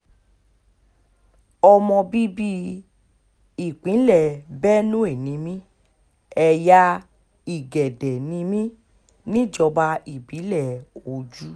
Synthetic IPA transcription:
ɔ˧mɔ̃˧bi˦bi˦ | i˦˨k͡pĩ˨˦lɛ˨bɛ˦nũ˦e˦˨nĩ˨˦mĩ˦ | ɛ˧ja˦ | i˦˨ɡɛ˨dɛ˨nĩ˧mĩ˦ | nĩ˦˨d͡ʒɔ˧ba˧i˦˨bĩ˨˦lɛ˦˨o˨d͡ʒu˦

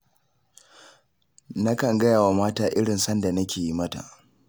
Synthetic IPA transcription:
na˦kɐ˨ŋɡɐ˦jaː˨wa˨maː˦taː˨ʔɪ˦ɽɪ˨nsɐ˦nda˨nɐ˦kʲeː˨ji˦mɐ˦ta̰˨

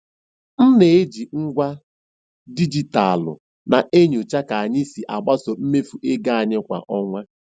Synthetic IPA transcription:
n̩˦ne˨e˦d͡ʒi˨ŋ̩˦ɡʷa˦ | di˦d͡ʒi˨ta˨a˨lʊ̰˨ | na˨ʔe˦ɲʊ˨t͡ʃa˦ka˨a˨ɲɪ˦si˨ʔa˨ɡ͡ba˦so˨m̩˦me˦fu˨ʔe˦ɡa˦a˨ɲɪ˦kʷa̰˨ʔɔ˦ŋʷa˦

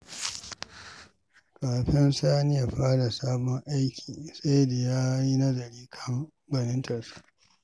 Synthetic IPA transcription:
kaː˨ɸɪ˦nsaː˦nɪ˦ja˨ɸaː˦ɽa˨saː˦bɔ˦ŋʔa˦jkʲʰiː˨sa˦jda˨jaː˦ji˦nɐ˦zɐ˨ɾiː˦kʰɐ˦ŋ | bɐ˨nɪ˦ntʰɐ˨rsu̥˦˨ʔ

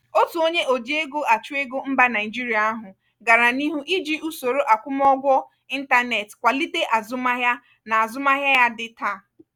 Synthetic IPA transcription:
o˦tu˨o˦ɲe˦ʔo˨d͡ʒi˦e˦ɡo˦a˨t͡ʃu˦e˦ɡo˦m̩˦ba˦na˨ɪ˨d͡ʒi˦ɾi˨a˨a˦ɦʊ˨ | ɡa˨ɾa˨ni˦ɦu˦ʔi˦d͡ʒi˦ʔu˦so˨ɾo˦ʔa˨kʷʊ˦m˦ɔ˦ɡʷɔ˦ | i˦n̩˦ta˦ne˨tkʷa˨li˦te˦ʔa˨zʊ˦ma˦ɦja˦ | na˨a˨zʊ˦ma˦ɦja˦ja˦dɪ˦ta˦˨

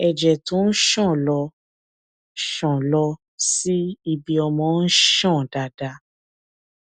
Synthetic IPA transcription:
ɛ˨d͡ʒɛ˨tũ˨˦n̩˦ʃɔ̃˦˨lɔ˧ | ʃɔ̃˨lɔ˧ | si˦i˧bi˧ɔ˧mɔ̃˧n̩˦ʃɔ̃˦˨da˨da˧

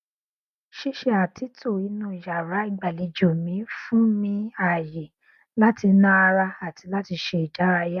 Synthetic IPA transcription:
ʃe˦ʃe˧˦a˨ti˨˦to˦˨i˨˧nũ˦˨ja˨ɾa˨˦i˦˧˦ɡ͡ba˦˨li˨˧d͡ʒo˨mĩ˨˦fũ˦mĩ˧a˨je˨ | la˦ti˧nã˦a˧ɾa˧a˨ti˧la˦ti˧ʃe˧i˨d͡ʒa˨˦ɾa˧ja˦

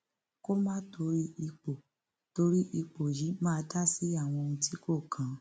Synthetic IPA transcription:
ko˦mã˦tʰo˧ɾi˦i˧k͡po˨ | to˧ɾi˦ʔi˧k͡po˨ji˨˦mãː˦˧˦ta˦si˦a˦˨w̃ɔ̃˧ñ̩˧ti˦ko˦˨kʰã˨˦

